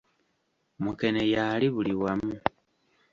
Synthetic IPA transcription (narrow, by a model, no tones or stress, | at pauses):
muke̞nejaliβuliwamu